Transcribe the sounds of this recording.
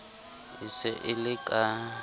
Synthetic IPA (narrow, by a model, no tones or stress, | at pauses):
ɪsɛʔɪlɪkʼa